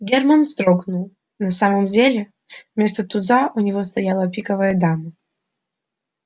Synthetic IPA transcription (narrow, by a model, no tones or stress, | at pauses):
ɡʲermənst̪ɾoɡnʊlˠ | nɐsaməmdʲelʲɪ | vmʲe̞st̪ət̪ʊd̪zaʔʊnʲɪvo̞st̪ɐjalˠəpʲikəvəjəd̪amə